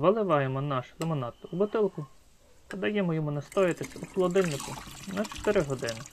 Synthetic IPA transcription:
ʋɐlˠɪʋɑjemɔnɑʃlˠemɔnɑt̪ubʊt̪ɪlˠkʊ | t̪ɐd̪ɐjɛmɔjɔmʊnɐst̪ɔjɪt̪esʲɐuxɔlˠɔd̪ɪlʲnɪkʊnɐt͡ʃɔ̥t̪ɪɾɪɦɔd̪ɪnɪ

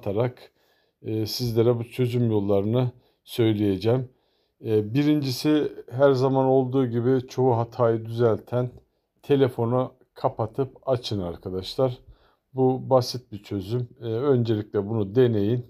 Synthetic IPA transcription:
t̪ʰaɾakː | sizlʲeɾɛbut͡ʃʰø̞zymjo̞lˠːaɾɯnɯ | sø̞jlʲeje̞d͡ʒɛːmː | biɾind͡ʒisiɦæɾzamano̞lˠd̪uːɟibit͡ʃʰo̞uɦat̪ʰaːjɯd̪yzælʲt̪ʰæn | t̪ʰe̞lʲe̞fo̞na | kʰapat̪ʰɯp̚at͡ʃʰɯnaɾkʰad̪aʃlˠaɾ | bubasit̪̚bit͡ʃʰø̞zymø̞nd͡ʒe̞lʲicʲlʲɛbunud̪e̞ne̞jin

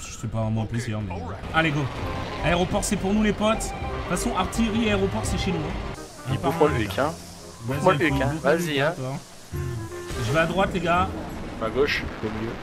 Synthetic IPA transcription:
ʒ̥əsipaʁɛmɑ̃pleziʁmɛ | aleɡoaeʁopɔʁsɛpuʁnulepɔt̪fasɔ̃ʔaʁt̪ijʁiaeʁopɔʁsɛʃenũ | ɛ̃ipumwalvykʲʰɛ̃ | vazmwaykɛ̃vaziɛ̃kɔʁ | ʒəvaːd̪ʁwat̪leɡaaɡoʃkɔmiljø

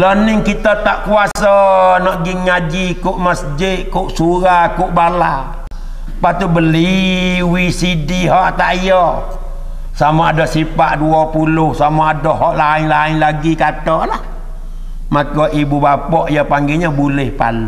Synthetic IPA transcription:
lɔnɪŋkit̪ət̪aʔkuasɔnɔʔɡiŋad͡ʒikuʔməsd͡ʒɪʔkuʔsuɾakuʔbala | pat̪ubəliwisidiɦɔʔt̪aʔijɔ | samɔadɔʔsipaʔduɔpulʊhsamaadɔʔɦɔʔlaɪɲlaɪɲlaɡikatɔʔlah | makɔʔibubapɔʔijɔpaŋɡiɲɔbulɪhpa̰lu

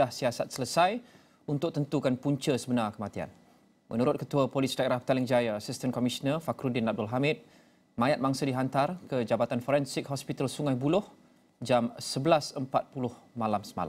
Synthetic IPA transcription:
ahsiasat̪̚sələsaj | unt̪ʊk̚t̪ənt̪ukanpuɲt͡ʃəsəbənarkəmãt̪ia̰n | mʔə̰̃nuɾʊt̪̚kət̪uəpolisidaeɾahbə̥t̪alɪŋd͡ʒajaːsist̪ənkɔmisnərfakɾudɪnap̚dɔlɦamɪt̪̚ | mãjat̪̚maŋsədiɦant̪arkəd͡ʒabat̪anfɔɾɛnsɪk̚ɦɔspit̪alsuŋajbulʊh | d͡ʒamsəbəlasəmpat̪̚pulʊhmãlamsəma̰la̰

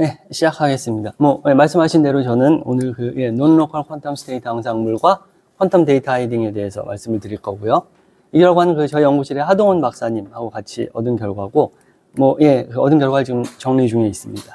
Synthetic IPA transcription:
ne̞ɕʰid͡ʑakʰaɡe̞s͈ɯmɲidamwʌje̞maɭs̬͈ɯmɦaɕʰinde̞ɾot͡ɕʌnɯno̰nɯɭkɯje̞nonːokʰʌɭkʰʌntʰʌmsʰɯ̥tʰe̞itʰaŋs̬ʰaŋmuɭɡwa | kʰʌntʰʌmte̞itʰaidiŋe̞de̞ɦesʰʌ̰ma̰ɭs͈ɯmɯɭtɯɾiɭk͈ʌɡujo | ikʌɡoɦannkɯt͡ɕʌiʌŋɡukɕʰiɾe̞hadoŋʌnmak̚s͈aɲimhaɡokat͡ɕʰḭʌdɯnkjʌɭɡwaɡo | mwʌje̞kɯʌdɯnɡjʌɭɡwad͡ʑiɡɯmt͡ɕʌŋnid͡ʑuŋe̞is͈ɯmɲid̥a

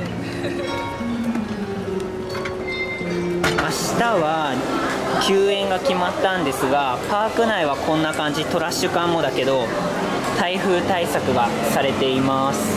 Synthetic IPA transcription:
aɕi̥t̪aβa | kʲɨːẽ̞ŋɡakʲimat̪ːãnd̪e̞sɨɡapaːkɯ̟naiβakʰõ̞nːakãɲ̟d͡ʑit̪o̞ɾaɕːɨkãmːo̞d̪ake̞d̪o̞ | t̪aiɸɯ̟ːt̪aisakɯ̟ɡasaɾe̞t̪e̞imasɨ̥

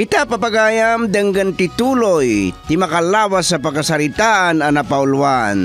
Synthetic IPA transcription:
ɪt̪apɐpɐɡaːjamd̪ɐŋɡant̪ɪt̪uːlojt̪ɪmɐkalaːwasːɐpɐɡkasɐlɪt̪aʔanɐnɐpaʊlwa̰n

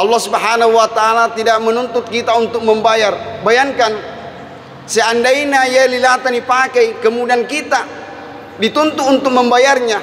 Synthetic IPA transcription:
ɑlːɔhsubɦanaɦuwat̪aalat̪idak̚mənunt̪ʊt̪̚kit̪aunt̪ʊk̚məmbajarbajaŋkan | səandainajalilat̪anipakɛjkəmudiankit̪a | dit̪unt̪uːnt̪ʊk̚məmbajarɲa

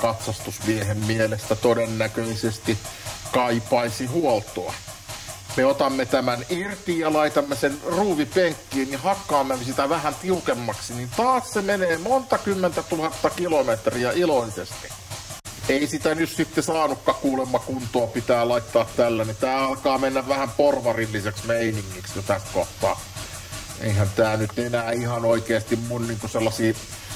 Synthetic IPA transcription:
kɑt̪sɑst̪usmiehemmielest̪æt̪odenːækøisest̪ikɑipɑisihuolt̪oɑ̰ | meot̪ɑmːet̪æmænirt̪ijjɑlɑit̪ɑmːesenruːʋipeŋkːiːnnihɑkːɑːmːemsit̪æʋæhænt̪iukemːɑksinint̪ɑːssemeneːmont̪ɑkymːent̪æt̪uhɑt̪ːɑkilomet̪riæʔiloisest̪i̥ | eˑisit̪ænyssit̪ːesɑːnukːɑkuːlemːɑkunt̪oːpit̪æːlɑit̪ːɑːt̪t̪ælːænit̪æːɑlkɑːmenːæʋʋæhæmporʋɑrilːiseksmeiniŋːiksjot̪æst̪koht̪ːˑɑ̰ː | ʔḛihænt̪æːnyt̪enæːihɑnoikeːst̪immunniːŋkuselːɑsiː

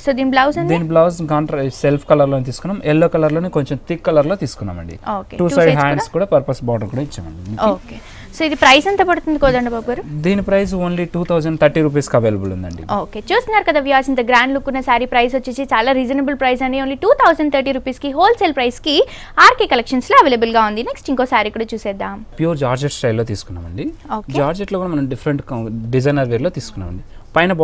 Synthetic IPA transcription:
soːd̪iːniblɐwsɐnd̪iːniblɐwskaːɳʈɾselpʰkɐlɐɾloːnit̪̬iːsu̥kunːaːmɛlːoːkɐlɐɾlo̞ːnikoɲt͡ʃemt̪ʰikːɐlɐɾlot̪iːsu̥kunːa̰ːmɐ̰ɳɖḭoːkḛːʈuːɐjɖɦaːɳɖskuːɽaːpɐɾpɐsbɔːʈɐnkuːɽaːit͡ʃːɐ̰ːmɐ̰ɳɖioːkeː | soːid̪ipɾɐjsɐnt̪oːpɐɽut̪und̪ikɔːd̪ɐɳɖɐbʱaːbuɡaːɾud̪iːnipɾɐjs̬oːnliʈuːt̪ʰɐwzɐɳɖt̪ʰɐɾʈiːɾuːp̬iːskiɐʋeːlɐbulund̪ɐ̰ɳɖḭoːke̞ːt͡ʃuːst̪unːaːɾukɐd̪aːʋjasint̪ɐɡɾaːɳɖlukːunːɐsaːɾipɾɐjs̬ʋɐt͡ʃːit͡ʃit͡ʃaːlaːɾid͡ʒɐnɐbulpɾɐjsɐɳɖioːnliʈuːt̪ʰɐwzɐɳɖt̪ʰɐɾʈiːɾuːpiːskiɦo̞ːlseːlpɾɐjski | aːɾkeːkɐlekʂɐnsloːɐʋeːlɐbulɡaːund̪ineksʈiŋkoːsaːɾikːuɽɐt͡ʃuːsɛːd̪ːaːmpijuːɾd͡ʒaːɾd͡ʒeʈsʈɐjlːo̞ːt̪iːsu̥kunːa̰ːmɐɳɖioːked͡ʒaːɾd͡ʒeʈloɡuːɽɐmɐnɐmɖipʰɐɾeɳʈɖid͡ʒɐjnɐɾʋiːɾlo̞ːt̪iːsu̥kunːa̰ːmɐ̰ɳɖi | pɐjnɐb

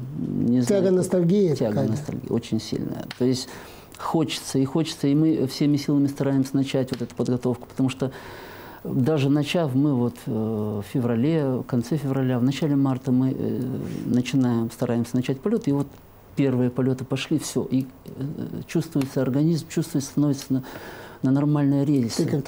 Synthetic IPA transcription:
nʲɪztʲaɡənəst̪ɐlʲɡʲijtʲaɡənəst̪ɐ̰lʲɡʲḭjo̞̰t͡ɕɪnʲsʲḭlʲnə̰jə̰t̪o̞jɪsʲtʲ | xo̞t͡ɕɪ̥t̪səɪxo̞t͡ɕɪ̥t̪səimɨfsʲemʲɪsʲilˠəmʲɪst̪ɐɾajɪmsʲənɐt͡ɕætʲvo̞t̪ɛt̪ʊ̥pəd̪ɡɐt̪o̞fkʊ̥pə̥t̪ɐmuʂt̪o | d̪aʐɨnɐt͡ɕafmɨvo̞t̪fʲfʲɪvrɐlʲekɐnt̪sɛfʲɪvrɐlʲavnɐt͡ɕælʲɪmart̪əmɨ | nət͡ɕɪnajɪmst̪ɐɾajɪmsʲənɐt͡ɕætʲpɐlʲo̞t̪ɪvo̞t̪ | pʲe̞rvɨjəpɐlʲo̞t̪ɨpɐʂlʲifsʲoʔi | t͡ɕust̪vʊjɪt̪səɐrɡɐnʲizmt͡ɕust̪vʊjt̪st̪ɐno̞vʲɪt̪səənənɐrmalʲnəjəɾʲezʲlʲɪsʲ

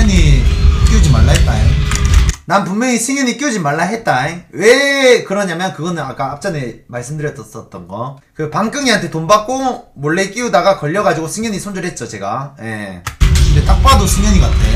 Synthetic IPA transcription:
ʌɲik͈iud͡ʑimaɭːaɦet̚t͈ajo̰ | nanp̬unmjʌɲisʰɯŋjʌɲik͈iud͡ʑimaɭːaɦe̞t̚t͈aewe̞kɯɾʌɲamjʌnkɯɡʌnɯnak͈aap̚t͡ɕ͈ʌnemaɭs͈ɯmdɯɾjʌt͈ʌs͈ʌt̚t͈ʌnɡʌ | kɯpaŋk͈ɯŋiɦantʰe̞tombak̚k͈omoɭːe̞k͈iudaɡakʌʎːʌɡad͡ʑiɡosʰɯŋjʌɲisʰond͡ʑuɾɦet̚t͡ɕ͈ot͡ɕe̞ɡa̰je̞̰ | ɯndet͈ak̚p͈adosʰɯŋjʌɲiɡa̰tʰe

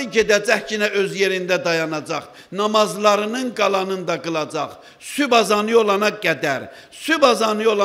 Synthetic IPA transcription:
ɟed̪æd͡ʒæhcinæøzjeɾind̪æd̪ɑjɑnɑd͡ʒɑχ | nɑmɑzlˠɑɾɯnɯnɡɑlˠɑnɯnd̪ɑɡɯlˠɑd͡ʒɑχ | sybɑzɑnɯo̞lˠɑnɑɡæd̪æɾ | sybɑzɑnɯo̞lˠɑ

